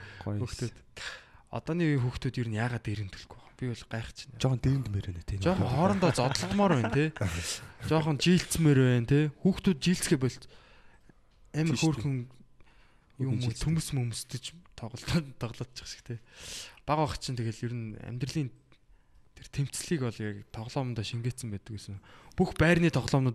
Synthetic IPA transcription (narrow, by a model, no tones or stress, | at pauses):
xuxt̪ʰuːt̪ | ɔ̰t̪ɔːniːxuːxt̪ʰuːt̪jeɾɘ̆njaːʁaːt̪eɾɘ̆nt̪ʰɵ̥ɮɡuʁɔpʲiɔɮɢaχt͡ɕʰɪ̥nat͡ɕɔχənt̪eːɾɘ̆nt̪meɾent̪ʰet͡ɕɔːχə̆χɔːɾɞ̆nt̪aːt͡sɔt̪ɞ̆ɬt̪mɔːɾwæːnt̪ʰe | t͡ɕɔːχə̆nt͡ɕiːɬt͡smeɾæːnt̪ʰexuːxt̪ʰuːt̪̚t͡ɕiːɬt͡sxeːp̬ɔɬt̪ | æmxoːrxɘ̆ŋ | jʊmɵt̪ʰumɘ̆smɵmst̪ɘ̆t͡ɕt̪ʰɔʁɞɮt̪ʰːɔʁɮɔ̆ːt̪̚t͡ɕʰɪ̥χʃɘ̥̆kt̪ʰeːpaʁɔ̆t͡ɕʰɪnt̪ʰeɣeːɮjiɾɘ̆næ̰mʲt̪r̆ɮiːn | t̪ʰer̥t̪ʰem̥t͡sɮiːkɔɮakt̪ʰɔʁɮɔːmnt̪ɔːʃiŋɡet̪sə̆mpæːt̪ɘ̆kwesɘ̆ŋpuxpæːrniːt̪ʰɔʁɮɔːmnə̆ːt̪